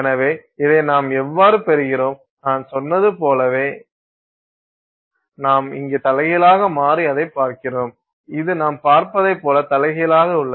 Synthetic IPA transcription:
ɛnɐʋeːɪðɐɪnaːmɛʋːaːɾɯpɛɾɯɣɪɾoːm | naːnsɔnːɐðɯpoːlɐʋeː | naːmɪ̰ŋɡeːt̪ɐlɐɣɪlaːɣɐmaːɾiɐðɐɪpːaːɾkɪroːm | ɪðɯnaːmpaːɾpɐðɐɪpːoːlɐt̪ɐlɐɣɪlaːɣɐʊɭːɐ

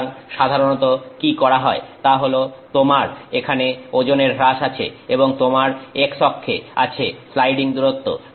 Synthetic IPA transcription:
ŋʃad̪ʱaɾonɔt̪okikɔɾaɦɔet̪aɦolot̪omaɾekʰaneod͡ʑoneɾɾaʃat͡ɕʰḛeboŋt̪omaɾekʃɔkʰːea̰t͡ɕʰeslajɖiŋd̪uɾot̪ːo̰

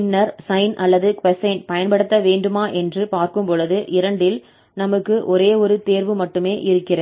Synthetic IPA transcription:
nːɐɾsɐɪnʔɐlːɐðɯkʋɛsɐɪɳʈ̚pɐjɐnpɐɽɯt̪ːɐʋeːɳɖɯmaːʔɛndrɯpaːɾkɯmpɔɻɯðɯʔɪɾɐɳɖɪl | nɐmɯkːɯʔɔɾeːɔɾɯt̪eːɾʋɯmɐʈːɯmeːʔɪɾɯkːɪrɐ

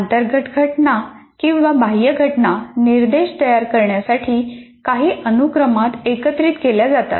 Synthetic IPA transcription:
ənt̪əɾɡʱəʈɡʱəʈna | kĩw̃ʋabʱaɦjəɡʱəʈnaniɾd̪eɕt̪əjaɾkəɾɳjasaʈʰiː | kaɦiːʔənukɾəmat̪ekət̪ɾiːt̪keljad͡zat̪a̰t̪

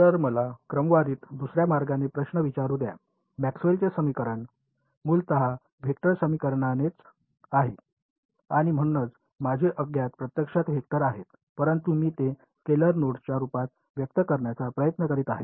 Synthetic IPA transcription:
t̪əɾməlakɾəmʋaɾiːt̪d̪usɾjamaɾɡanepɾəɕɳəʋit͡ɕaɾuːd̪ja̰ | mæksʋelt͡sesəmikəɾəɳ | muːlt̪əɦa | bʱek̚ʈəɾsəmikəɾɳanet͡s | aɦḛ | aɽ̃im̤əɽ̃unət͡s | mad͡ʑʱeʔəɡjat̪pɾət̪jəkʂat̪ɦek̚t̪əɾaɦet̪ | pəɾənt̪umiːt̪e | keləɾnoɽt͡ɕjaɾupat̪ | ʋjək̚t̪əkəɾɳjat͡sapɾəjət̪nəkəɾiːt̪aɦḛt̪

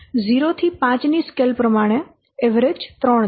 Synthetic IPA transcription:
ziɾot̪ʰipãt͡ʃniskelpɾəmaɽ̃e | ɛʋəɾed͡ʒt̪ɾɔɳ

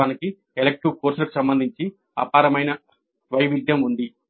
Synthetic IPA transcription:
aːniki | elek̚ʈiʋkoːɾsulɐku̥sɐmbɐnd̪ʱiɲt͡ʃi | ɐ̰paːɾɐmɐjnɐ | ʋɐjʋid̪jɐmund̪i

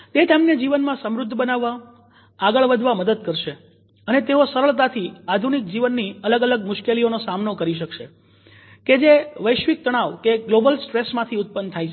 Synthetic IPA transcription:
t̪et̪emned͡ʒiʋənmãsəmɾʊd̪ʱːbənaʋːa | aɡəɭʋəd̪ʱʋaməd̪əd̪̚kəɾʃe | ənet̪eosəɾəɭt̪̬at̪ʰiad̪ʱunik̚d͡ʒiʋənːiələɡələɡmʊʃkelionosamnokəɾiʃ̬əkʃe | ked͡ʒeʋəjʃʋik̚t̪əɽ̃aʋkeɡlobəlsʈɾesmãt̪ʰiʊt̪̚pənt̪ʰaj

